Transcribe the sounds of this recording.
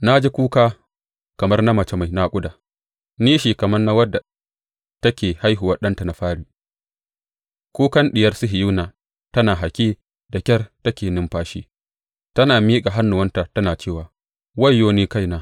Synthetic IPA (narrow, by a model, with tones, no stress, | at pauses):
na˦d͡ʒi˦kʷuː˦kaː˦ | kɐ˨mɐ˦rna˦mɐ˨t͡ʃe˦ma˨jna˦kʷʼʊ˦daː˨ | niː˦ʃiː˨kɐ˨mɐ˦rna˦wɐ˦dːa˨ | tɐ˦kʲeː˨ha˦jɦʊ˨wɐ˦ɗɐ˦nta˨na˨ɸaː˦ɽiː˨ | kʷuː˦kɐ˦nɗɪ˨jɐ˦rsʊ˦ɦɪ˨ju˦naː˨ | tɐ˦naː˨ɦa˨kʲiː˦ | da˨kʲɐ˦rtɐ˦kʲeː˨nɪ˦mɸaː˦ʃḭː˦ | tɐ˦naː˨miː˦kʼa˨ɦa˦nːʊ˨wɐ˦nta˨tɐ˦naː˨t͡ʃeː˦˨waː˨ | wɐ˦˨jːoː˦niː˦ka˦˨jnaː˦